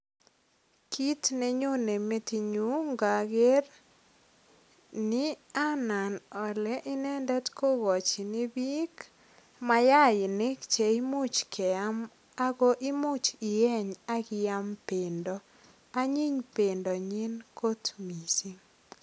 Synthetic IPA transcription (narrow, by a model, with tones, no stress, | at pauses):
kʰi˦tnɛ˦ɲo˦ne˨me˦ti˨ɲu˦ŋɡa˨ɡe˦r | nɪ˦ | a˦na˨nɔ˨lɛ˦ʔɪ˦nɛ˦ndɛ˦tko˦ɡɔ˨t͡ʃi˨nɪ˦bi˦k | ma˦ja˦jɪ˨nɪ˦kt͡ʃe˨i˦mʊ˦t͡ʃkʰɛ˨a˦m | a˦ɡo˦ʔɪ˦mʊ˦t͡ʃɪ˨jɛ˦ɲa˦ɡɪ˦ja˦mpe˨ndɔ˦ | a˦ɲi˦ɲpe˨ndɔ˨ɲi˦nko˦tmi˨si˦ŋ